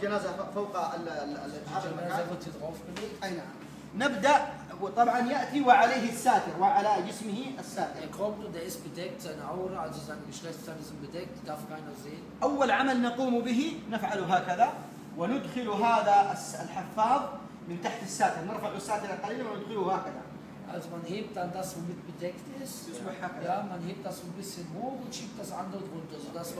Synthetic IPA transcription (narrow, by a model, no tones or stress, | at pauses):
d͡ʒanaːzafawqllʔɪt̪haːalmakaːʊt̪ɪðɣoːfbɪliːkʔajnaʕa̰m | nɪbd̪aʔ | wɪt̪ˤɑbʕɑnjaʔt̪iwɪʕaleːɦɪsːaːt̪ɪɾwɪʕalad͡ʒɪsmɪhiʔasːaːt̪ɪɾɪkoːmt̪ud̪aʔɪsbɪd̪ek̚t̪ʔanaʔawɾˤɑd͡ʒɪzanɪʃɣeːssaːnɪsmbɪt̪ek̚t̪d̪afkaːjnazeː | ʔawːalʕamalnɑquːmbɪɦinɪfʕaluɦaːkaða | wɪnʊd̪xɪluɦaːðasalħɪfːɑːðˤ | mɪnt̪aħt̪asːaːt̪ɪɾnɪɾˤfaʕʊsːaːt̪ɪɾalqɑliːlaanɪd̪xɪluhaːkaða̰ | ʔa̰zmanhiːb̚t̪and̪asbabɪt̪̚bɪt̪ekt̪ɪsɪsmɪħhaːkad̪amːanhiːb̚t̪ʔɑsbɪbɪsːɪnhuːdwɪt̪ʃiːbt̪asʕa̰nd̪awt̪bʊnt̪azd̪as